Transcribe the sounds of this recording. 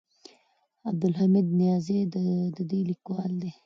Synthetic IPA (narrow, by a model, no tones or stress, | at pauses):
ab̚d̪ʊlɦamid̪̚nijɑːzed̪əd̪əd̪ulikwɑld̪e